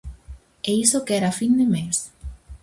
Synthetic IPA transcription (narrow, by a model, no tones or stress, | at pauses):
eisokeɛɾafind̪emes